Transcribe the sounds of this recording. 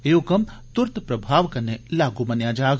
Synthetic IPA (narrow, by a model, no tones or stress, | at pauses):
eːokɐmt̪ʊɾt̪pɾɐbʱaːʋkɐnːelaːɡumɐnjaːd͡ʒaːɡ